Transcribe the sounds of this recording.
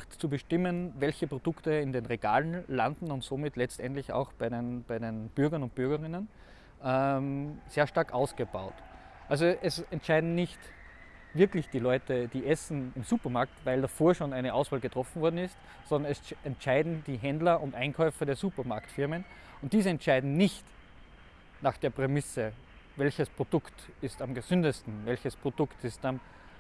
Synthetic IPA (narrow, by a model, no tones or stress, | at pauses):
xtt͡subəʃtɪmənvɛlçəpʁ̥od̥ʊktəɪndeːnʁeɡ̥a̰ːlənlandn̩ʊntsoːmɪtlɛt͡stʔɛntlɪça̰ʊxb̥aɪdenb̥æɪdenb̥ʏɐɡɐnʊnt̚b̥ʏɐɡɐʁɪnən | ʔɛmz̥eːɐʃtaɐkʔaʊsɡ̥əbaʊt | ʔalzoʔɛsɛntʃaɪdn̩nɪçt | vɪɐklɪçd̥iːlɔʏtəd̥iːʔɛsn̩ɪmzuːpɐmaɐktvaɪldafoːɐʃoːnaɪnəʔaʊsv̥aːlɡətʁ̥ɔfn̩vɔɐdn̩ɪst | sɔndɐnɛsɛntʃaɪdn̩d̥iːɦɛndlɐʔʊntʔãɪnkʰɔʏfɐdeːɐzuːpɐmaɐktfɪɐmən | ʊnt̚d̥iːzəɛntʃaɪdn̩nɪçt | naːχd̥eːɐpʁ̥emɪsə | vɛlçəspʁ̥od̥ʊktɪstamɡəz̥ʏndəstn̩vɛlçəspʁ̥odʊktɪstam